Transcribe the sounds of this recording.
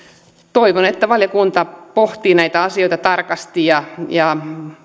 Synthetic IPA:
t̪oiʋonet̪ːæʋɑljɑkunt̪ɑpoht̪iːnæit̪æɑsioit̪ɑt̪ɑrkɑst̪ijɑjɑ

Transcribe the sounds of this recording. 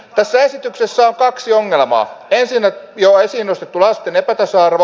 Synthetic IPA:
t̪æsːæesit̪yksesːæoŋkɑksioŋːelmɑ̰ːensinːæjoesiːnːost̪et̪ːulɑst̪enepæt̪ɑsɑːrʋ

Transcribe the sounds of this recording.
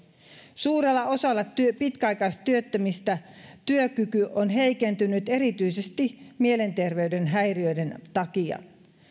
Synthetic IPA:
suːɾe̞lːɑo̞sɑlːɑyøpit̪kæɑjkɑjst̪ɑt̪yøt̪ːæmist̪æt̪yøkykyʔonɦe̞jke̞nt̪ynyt̪e̞ɾit̪yjsest̪imie̞le̞nt̪e̞rʋe̞yde̞nɦæjriø̞jde̞nt̪ɑkiɑ̰

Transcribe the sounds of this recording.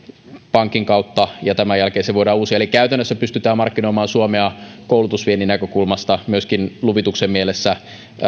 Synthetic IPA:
pɑŋkiŋkɑut̪ːɑjɑt̪æmæjælkeːseʋoiɾɑːuːsiɑelikkæyt̪ænːøsːæpyst̪yt̪æːmɑrkːinoimɑːnsuomeɑkowlut̪usʋieninækøkulmɑst̪ɑmyøskinluʋit̪uksemmielesːæ

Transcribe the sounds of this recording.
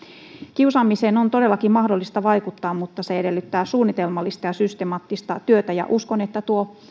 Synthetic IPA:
kiusɑmːiseːnont̪odelːɑkimmɑhdolːist̪ɑʋɑikut̪ːɑːmmut̪ːɑseedelːyt̪ːæːsuːnːit̪elmɑlːist̪ɑjɑsyst̪emɑːt̪ːist̪ɑt̪yøt̪æjɑ̰ʔuskonet̪ːæt̪uo

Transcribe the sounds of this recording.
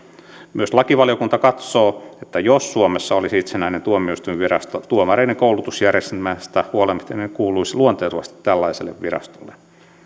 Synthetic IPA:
myøslɑkiʋɑljokunt̪ɑkɑt̪soːet̪ːæjossuomesːɑolisit̪senæinent̪uomieist̪uiʋʋirɑ̰st̪ot̪uomɑreineŋkoulut̪usjærest̪mæst̪æhuolemst̪enːekuːluisiluont̪eːruʋɑ̰st̪i̥t̪tælːɑiselːḛʋʋirɑ̰st̪olːe

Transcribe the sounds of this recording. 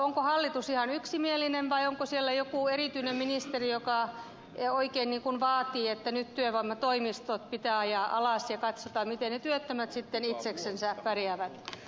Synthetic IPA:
oŋkohɑlːit̪usihɑnyksimielːˑinenʋɑioŋkosielːæjokuˑeriˑt̪yinemminist̪erijokɑ | oikeinniːŋkunʋɑːt̪iːet̪ːænyt̪t̪yøʋɑmːɑt̪oimist̪ot̪̚pit̪æːɑjɑʔɑlɑˑsjɑkɑt̪sot̪ɑmit̪ennet̪yøt̪ːømæt̪sit̪ːenit̪seksensæpærjæʋæt̪

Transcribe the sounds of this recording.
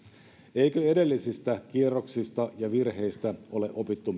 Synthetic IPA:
ejkøede̞lːisist̪ækierːoksist̪ɑjɑʋirhe̞ist̪æo̞le̞ʔopit̪ːum

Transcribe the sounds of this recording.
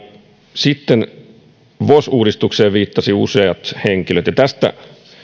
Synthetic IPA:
sit̪ːen | ʋosuːdist̪ukseːʋʋiːt̪ːɑsiṵseɑt̪heŋkiløt̪jɑt̪æst̪æ̰

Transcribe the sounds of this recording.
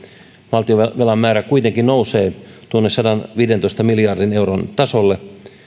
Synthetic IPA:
ʋɑlt̪ioʋelɑmːæːɾækuit̪eŋkinnouseːt̪uonːessɑdɑnʋiːdent̪oist̪ɑmilijɑrdinewront̪ɑsolːe

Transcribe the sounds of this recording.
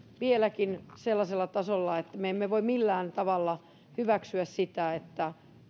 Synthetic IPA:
ʋielækinselːɑselːɑt̪ɑsolːɑet̪ːæmeemːeʋoimmilːæːnt̪ɑʋɑlːɑ | hyʋæksyæssit̪æet̪ːæ

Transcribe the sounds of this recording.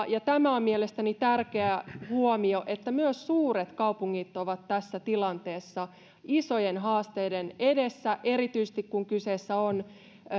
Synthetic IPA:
jɑt̪æmæommielest̪ænit̪ærkeæhuomioʔet̪ːæmyøssuːret̪kɑupuŋːit̪ːoʋɑt̪tæsːæt̪ilɑnt̪eːsːɑ | isojenɦɑːst̪eidenedesːæʔe̞ɾit̪yisĕ̥t̪ikkuŋkyseːsːæon

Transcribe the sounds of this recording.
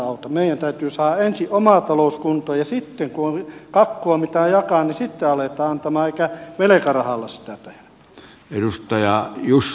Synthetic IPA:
ɑˑut̪ɑmeijænt̪æyt̪yːsɑːɑensiʔomɑˑt̪ɑloˑuskunt̪oːjɑsit̪ːeŋkuoŋkɑkːoɑmit̪æˑjɑkɑˑnnisit̪ːeɑlet̪ɑːɑnt̪ɑmɑːeˑikæʋelekærɑhɑlːɑssi̥t̪æt̪ehæ | edust̪ɑjɑjus

